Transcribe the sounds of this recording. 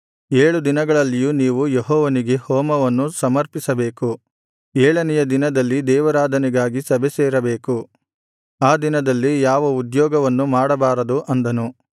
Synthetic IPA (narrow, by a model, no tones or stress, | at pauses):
eːɭud̪inɐɡɐɭɐlːijuniːʋujeɦɔːʋɐniɡe̞hɔːmɐʋɐnːusɐmɐɾpisɐbe̞ːku | eːɭɐnɛjɐd̪inɐd̪ɐlːid̪ɛːʋɐɾaːd̪ʱɐniɡaːɡisɐbʱesɛːɾɐbeːku | aːd̪inɐd̪ɐlːijaːʋɐud̪jɔːɡɐʋɐnːumaːɽɐbaːɾɐd̪uʔɐnd̪ɐnu